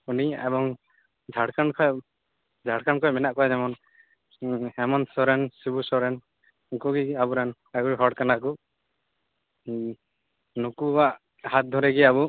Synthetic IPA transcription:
uniɛ̰bɔŋ | d͡ʒʱaɽkankʰɔj | d͡ʒʱaɽkaɳkʰɔjmɛnaʔkɔad͡ʒɛmɔn | hɛmɔnsɔɾɛnsibusɔɾɛn | kuɡiabuɾan | aɡuɾiɦɔɽkanaku | nukubaʔ | hat̪̚d̪ʱɔɾɛɡɛabu

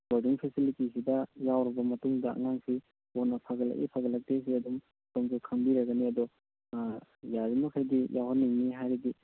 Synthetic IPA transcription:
bɐɾdiŋpʰesilitisidɐjawɾɐbɐmɐtuŋdɐɐ̰ŋaŋsi | onɐpʰaɡɐlɐ̰kʔḭpʰaɡɐlɐk̚tes̬iɐdum | komzukʰɐmbiɾɐɡɐniɐd̪ɔ | jaɾimɐkʰajdijʔawɦaniŋniɦajɾiɡi

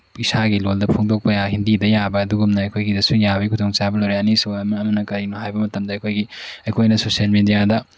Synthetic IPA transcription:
isaɡiloldɐpʰoŋdok̚pɐjaɦindidɐjabɐːduɡumnɐɐjkʰojɡidɐsujabɐikʰutʰoŋt͡ʃabɐlowɾeɐnisuɐmɐmɐnɐkɐɾinɐɦajbɐmɐtɐmdɐɐjkʰojɡiɐjkʰojnɐsosielmidijadɐ

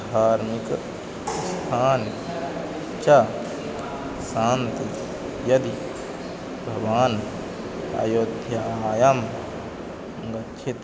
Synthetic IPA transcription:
d̪ʱaːɾmik | st̪ʰaːn | t͡ʃa | saːnt̪i | jɐd̪i | bʱɐʋaːn | a̰ːjoːd̪ʱjɐaːjɐm | ɡɐt͡ʃʰet̪

